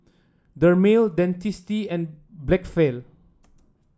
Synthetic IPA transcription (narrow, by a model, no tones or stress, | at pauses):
dəmeldɛ̃ntistiɛ̃nblɛkfel